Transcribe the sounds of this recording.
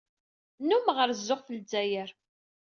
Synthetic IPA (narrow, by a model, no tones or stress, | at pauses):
numʁəɾzːʊʁθəld͡zæjəɾ